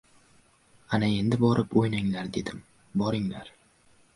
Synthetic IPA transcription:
anae̞nd̪ɪbɒɾɪpojnaŋlaɾd̪e̞d̪ɪm | bɒɾɪŋla̰ɾ

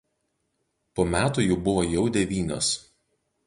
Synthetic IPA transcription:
poːmʲæːt̪uːjʊːbʊʋojɛʊd̪ʲɛʋʲiːnʲo̰ːs

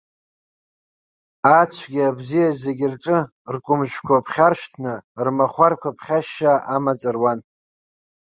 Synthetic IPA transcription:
at͡ʃʷʰɡʲiabzijazeɡʲɪrʈ͡ʂʼɨ | rkʷʼʊmʒʷᶣkʷʰapʰχʲarʃʷᶣtʰnɨrmaχʷarkʷʰapʰχʲaʃːaʔamat͡sʼɨrwan

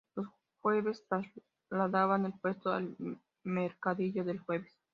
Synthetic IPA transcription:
lo̞s | xweβe̞st̪ɾaz | laðaβanelpwe̞st̪oa̰l | meɾkaðiʝo̞ðe̞lxwe̞βes

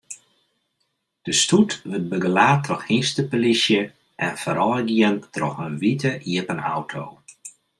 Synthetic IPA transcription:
d̥əstutʋət̚bəɡəlaːtrɔxistəpəlisjə | ʔɛnfəɾɔːɡiəntrɔxənʋitʰəʔiəpəna̰wtʰoː

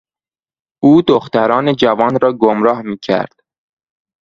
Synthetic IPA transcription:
uːd̪oxt̪æɾɒːned͡ʒævɒːnɾɒːɡomɾɒːhmiːcʰæ̰ɾd̪̥

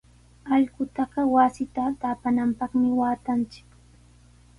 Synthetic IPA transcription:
ɑʎɢʊt̪ɑɢɑwasɪt̪at̪aːpanampɑχmɪwaːt̪ant͡ʃɪ̥k

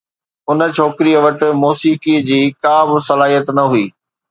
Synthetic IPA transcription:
ʊnə̆t͡ɕʰoːkɪɾiəʋɐʈɪ̆moːsiːkid͡ʑiːkaːbɪsɐlaːɦijət̪nɐɦuiː

